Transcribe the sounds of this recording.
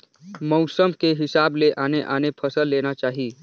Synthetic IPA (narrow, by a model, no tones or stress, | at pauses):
mɔʊsəmkeɦɪsaːbleʔaːneʔaːnepʰəsəlːeːnat͡ʃaːɦi